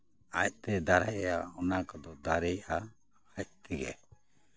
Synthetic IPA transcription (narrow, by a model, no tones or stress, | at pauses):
ac̚t̪ɛd̪aɾajɛjaɔnakɔd̪ɔd̪aɾɛja | hac̚t̪iɡɛ̰